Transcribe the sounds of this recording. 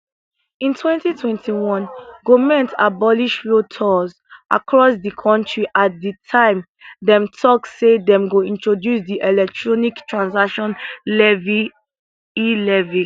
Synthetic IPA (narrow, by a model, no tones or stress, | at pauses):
ĩntʰwɛ̃ntitʰwɛ̃ntʰiwɔ̃nɡomɛ̃nta̰bɔliʃflotʰɔz | ʔa̰kʰɹɔsdikʰɔ̃ntʰɹiʔat̚dətʰãɪ̃m | dɛ̃mtʰɔksedɛ̃mɡoĩntɹodjusdiʔelɛk̚tʰɹɔniktʰɹãnsakʃɔ̃nlɛvi | ilɛvi